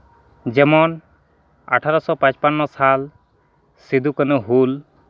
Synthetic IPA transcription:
d͡ʒɛmɔn | a̰ʈʰaɾɔsɔpãt͡ʃpanːɔsal | sid̪ukanɔɦul

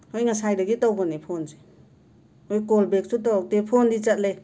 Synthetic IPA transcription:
ojŋasajdəɡitɔwbɔnepʰonze̥ | ojkolbek̚sutɔwak̚tepʰondit͡ʃat̚le

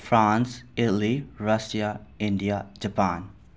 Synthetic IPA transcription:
fɾãːnsɪtl̩iɾʌsiaɪ̃ɳɖiad͡ʒəpãːn

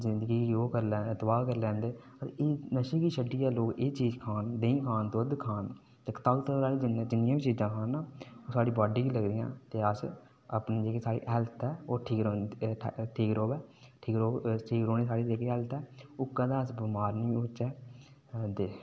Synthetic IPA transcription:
zɪnd̪əɡiːoːkəɾlɛt̪əbaːkəɾlɛ̃ːnd̪eː | ət̪eeːnəʃeːkiːʃəɖiːɛːloːkeːt͡ʃiːd͡ʒkʰaːnd̪əĩːkʰaːnt̪oːd̪kʰaːn | t̪ekt̪aɡt̪əɾaːliːd͡ʒɪnãd͡ʒɪnɪjãːʋiːt͡ʃiːzãːkʰaːnaːoːsaːɽiːbaːɖiːɡiːləɡd̪ijã̰ːt̪eːəs | apniːd͡ʒeːkeːsaːɽḭːʔɛːlt̪ɛːoːʈʰiːkɾoːnʈʰiːkɾoːbɛːʈʰiːkɾoːʈʰiːkɾoːniːsaːɽiːd͡ʒeːkeːɛlt̪ɛːoːkəd̪ãːəsbəmaːɾnĩːʊt͡ʃɛː | d̪eː

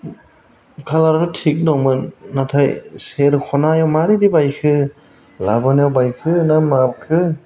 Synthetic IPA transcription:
kʰalaɾaɾɔtʰik̚nɔmɯnːatʰajseɾkʰɔnajawmaɾidibajkʰɯ | labɔnjawbajkʰɯnamap̚kʰɯ

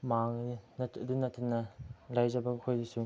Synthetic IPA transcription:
maŋinɐtdunɐtʰinːɐlajzɐbɐkʰojdisu

